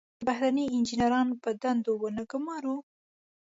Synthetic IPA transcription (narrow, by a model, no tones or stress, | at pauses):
bahɾaniɪnd͡ʒinaɾɑnpəd̪and̪owənaɡʊmɑɾu